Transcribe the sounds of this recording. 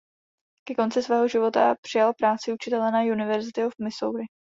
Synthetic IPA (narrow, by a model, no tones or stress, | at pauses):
kɛko̞nt͡sɪsvɛːɦo̞ʒɪvo̞t̪a̰pr̥ɪjalpɾaːt͡sɪut͡ʃɪt̪ɛlɛnajunɪvɛɾzɪt̪ɪofmɪsowɾɪ